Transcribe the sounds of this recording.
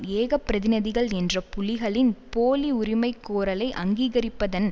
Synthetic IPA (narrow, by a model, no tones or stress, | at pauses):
eːɣɐpːɪɾɐðɪnɐðɪɣɐɭɛndrɐpʊlɪɣɐɭɪnpoːliʊɾɪmɐɪkːoːɾɐlɐɪʔɐŋɡiːɣɐɾɪpːɐðɐn